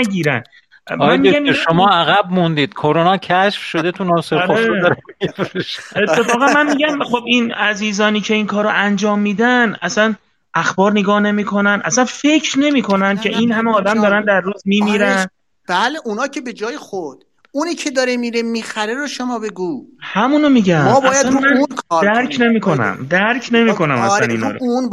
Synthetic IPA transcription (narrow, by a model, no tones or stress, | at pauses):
æɟiːɾæ̰n | mænmiɡæmʃomɒːæɣæb̚mund̪iːd̪̥kʰoɾonɒːcʰæʃfʃod̪et̪ʰunɒseɾoeɒɾemfɾeʃet̪ʰːe̞fɒːɣænmænmiːɟæmχo̞binæziːzɒːniːcʰe̞iːnkʰɒːɾoʔænd͡ʒɒːmːiːd̪ænʔæsæn | ʔæxbɒːɾneɡɒːhne̞miːkʰo̞nænʔæ̰sænfe̞cʰɾne̞miːkʰo̞næncʰʲe̞ʔiːnhæmeɒːd̪æmd̪ɒːɾænd̪æɾːuːzmiːmiːɾæn | b̥æleʔunɒːcʰebed͡ʒɒːjexod̪̥ | uniːcʰed̪ɒɾemiːɾemiːxæɾeɾoʃomɒːbeɡuːhæmuːnomiːɟæmmːbɒːjæsænmækʰːd̪æɾkʰne̞miːkʰo̞næ̰md̪æɾkʰne̞miːkʰo̞næmæ̰snḭːnɒ̰ːɾoun